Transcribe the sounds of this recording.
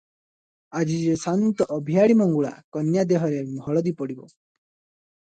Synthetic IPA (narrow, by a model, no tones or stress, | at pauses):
ad͡ʒid͡ʒesant̪ɔʔːbʱijaɽimɔŋɡuɭa̰kɔnjad̪eɦɔɾemʱɔɭɔd̪ipɔɽibɔ̰